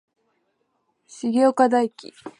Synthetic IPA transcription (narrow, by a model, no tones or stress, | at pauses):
ɕiɡʲo̞ːkad̪aikʲḭ